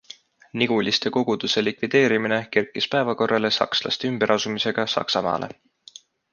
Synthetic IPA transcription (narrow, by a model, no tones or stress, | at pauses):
niɡ̥ulʲist̪e̞ko̞ɡ̥ud̪̥use̞likvid̪̥e̞ːɾimine̞ke̞rkːˑispæevɑko̞rːɑle̞sɑ̰kslɑ̰st̪eymb̥e̞ɾʔɑsumise̞ɡ̥ɑsɑ̰ksɑmɑ̰ːlʔḛ